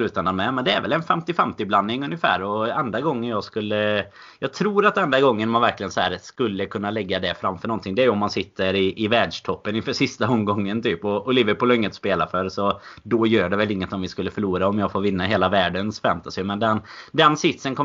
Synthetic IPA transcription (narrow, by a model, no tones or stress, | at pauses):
lʉ̟ːt̪ananmɛmɛnd̪ɛæɾvɛ̰lɛnfɛmt̪ɪfɛmt̪ɪblanːɪŋɵnjəfæ̰ːɾɔɛnd̪ɾaɡɔŋːənjɑːɡskɵlːə | jɑːɡ̚t̪ʰɾuːɾat̪̚ɛnd̪ɾaɡɔŋːənɔmanvæɾklɪɡənsɔhæ̰ːɾskɵlːəkʰɵnːalɛɡːad̪ɛfɾamːfœɳɔnt̪ʰɪŋd̪ɛæɾjɵɔmːansɪt̪ʰːəɾɪʔɪvɛːd̪ʂʈ̪ʰɔpːənɪnfœːʂɪst̪aɔmːɡɔŋːənt̪ʰyːpɔʊlɪːvəɾpuːlɔɪŋːət̪speːlafœɾsɔd̪ɔjøːɖɛvɛlɪŋːət̪ɔmvɪskɵlːəfœɭuːɾaɔmjɑːɡfoːɾvɪnːaɦeːlavæːɖənsfɛ̰mt̪asɪmɛnd̪ɛnd̪ɛnsɪt̪sənkʰɔ